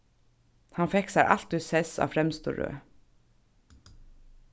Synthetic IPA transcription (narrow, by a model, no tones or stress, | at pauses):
hɑnfɛksaɾʔɑ̰lt̪ʉːsɛsɑ̰ːfɾɛmst̪ṵɾø̰ː